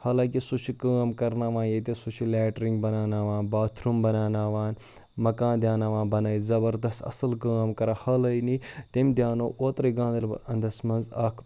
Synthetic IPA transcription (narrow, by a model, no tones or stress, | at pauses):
haːlãːkisut͡ʃʰikaːmkɐɾnaːʋãːnjet̪esut͡ʃʰilɛːʈɾĩŋɡbɐnaːnaːʋaːnbaːt̪ʰɾumbɐnaːnaːʋaːn | mɐkãːnd̪ʲjaːnaːʋãːbɐnɐizɐbɐɾd̪ɐst̪ɐ̰sɐlkaːmkɐɾaːhɐlɐjnit̪emd̪ʲjaːnoːʔoːt̪ɾiɡãːnd̪ɐlɐnd̪ɐsmɐnzaːkʰ